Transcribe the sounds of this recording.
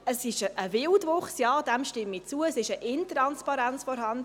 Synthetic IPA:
əsɪʃəʔəvɪldvʊχsjɑːd̥̪ɛmʃtɪmːit͡suəəsɪʃəʔɪnt̪ɾɑnspɑɾænt͡sfɔɾɦɑnd

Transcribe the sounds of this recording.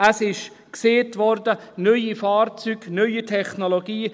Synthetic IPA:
əsɪʃ | kseːtʋɔɾdənœʏifɑːrt͡syːɡnœʏitʰɛχnoloɡiː

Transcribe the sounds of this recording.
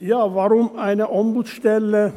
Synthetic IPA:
jɑːʋɑɾumæɪneʔombut̪sʃt̪elːe

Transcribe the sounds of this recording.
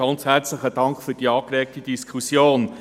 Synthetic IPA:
ɑnt͡shært͡sləχəd̥ɑŋkχfyːɾd̥iːɑːkɾɛːk̚tid̥iskʰχusjoːn

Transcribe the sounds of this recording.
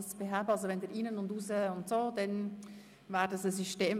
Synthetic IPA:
sb̥eɦaːbəɑlzovɛndiːiːnənʊndusəʊntsoːdɛn | vaːɾdɑsəsyʃteːm

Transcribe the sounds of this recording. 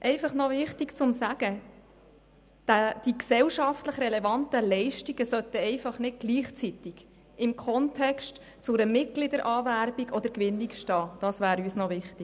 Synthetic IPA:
ʔɛɪfɑχnɔvɪχtikt͡sʊmsæɡ̥ə | d̥æd̥iksɛwʃɑftləχrɛlɛvɑnt̪əlɛɪʃtiɡ̥əsœt̪əɛɪfɑχnɪd̚ɡ̥liːχt͡sit̪ɪɡ̥ | ɪmkʰɔntʰɛkʃt | t͡sʊɾəmɪt̚ɡ̥lɪd̪əɾʔɑːvæɾbiɡɔd̪əɾkʋɪnːikʃtɑːd̥ɑsʋæːɾyːsnɔʋɪχti

